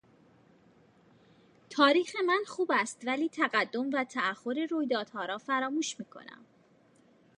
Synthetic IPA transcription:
t̪ʰɒːɾiːxe̞mænxuːbæst̪væliːt̪ʰæɣæd̪ːo̞mvæt̪ʰææhːo̞ɾeɾuːjd̪ɒːd̪̥hɒːɾɒːfæɾɒːmuːʃmiːkʰo̞̰næ̰m

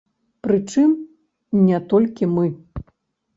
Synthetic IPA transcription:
pɾɨt͡ʂɨm | nʲɛt̪ɔlʲkʲimɨ

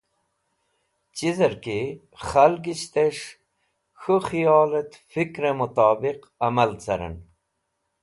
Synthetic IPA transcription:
t͡ɕizɐɾki | χɐlɡiɕt̪eʂ | xuxijɔːlet̪fikɾemut̪aːbiq | ɐmɐlt͡sɐ̰ɾḛn

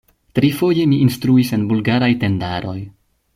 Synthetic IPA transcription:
tɾifo̞je̞miʔinstɾuise̞nbulɡaɾajte̞ndaɾo̞j

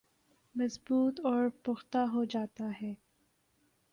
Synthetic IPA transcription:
mɐzbuːt̪ɔːɾpʊxt̪aɦod͡ʒaːt̪aɦɛː

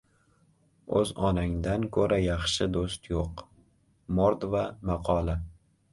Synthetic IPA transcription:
ɵ̰zɒnaŋd̪ankʰɵɾʔajɑχʃɪd̪ost̪joq | moɾd̪vamɑqʰɒlˠa

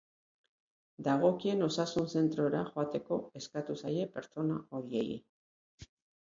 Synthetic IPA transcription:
d̪aɣ̞o̞kie̞no̞sasunse̞nt̪ɾo̞eɾaʝoat̪e̞ko̞e̞skat̪usaje̞pe̞ɾt͡ʃo̞nao̞ɾie̞ɣḭ

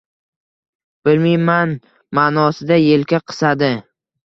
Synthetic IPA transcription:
b̥ɪlmiman | manɒsɪd̪ajelkʲaqʰɨ̥sad̪ɪ

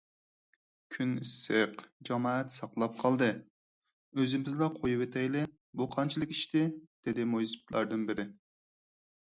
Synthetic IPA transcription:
kʲʰynisːɨqd͡ʒɑmɑːɛt̪sɑqlˠɑp̚qʰɑlˠd̪ɨ | øzɪmɪzdlɑqʰojupet̪ʰɛjlɪ | buqʰɑnt͡ʃʰilˠəkʲiʃt̪ɪd̪̥ɪd̪ɪmojspt̪ʰlˠɑ̰ɾd̪ɨnbɪɾɪ

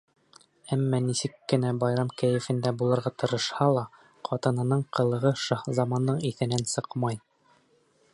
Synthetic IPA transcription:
æmːænisɘkːɘ̆næbɑjɾɑmkæjɘ̆fɘ̆nd̪æbulˠɤ̆ɾʁɑt̪ɤ̆ɾɤ̆ʃhɑlˠɑ | qʰɑt̪ɤ̆nɤ̆nɤɴqɤ̆lˠɤ̆ʁɤʃɑχzɑmɑnːɤɴiθɘ̆nænsɤqmɑj

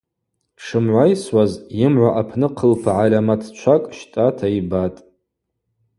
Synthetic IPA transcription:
ʂɨmʕʷajswazjɪmʕʷaʔapʰnɨqʰəlpʰaʕalʲamatʰt͡ʃʷʰakʼʃtʼatʰaibatʼ

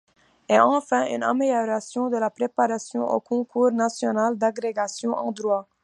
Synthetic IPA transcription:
ɛɑ̃fɛ̃ʔy̰na̰meljœɾasjɔ̃d̪əlapɾepaɾasjɔ̃ʔo̰ːkʰɔ̃kʰuːɾnasjɔnald̪aɡɾeɡasjɔ̃ʔɑ̰̃d̪ɾwa

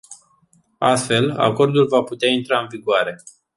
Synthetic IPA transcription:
a̰st̪fe̞la̰ko̞rd̪ulvaput̪eaint̪ɾaɨnviɡoaɾe̞

